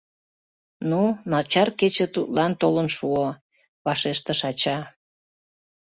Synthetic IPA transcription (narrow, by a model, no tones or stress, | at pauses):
nunɑlt͡ɕɑrket͡ɕet̪ut̪lɑnt̪olənʃuo | βɑʃeʃt̪əʃɑt͡ɕɑ